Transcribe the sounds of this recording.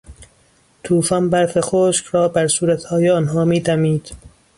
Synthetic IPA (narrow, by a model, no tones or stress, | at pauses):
t̪ʰuːfɒnbæɾfexoːʃkɾɒːbæɾsuːɾæt̪hɒːjeɒnɦɒːmiːd̪æmiːd̪̥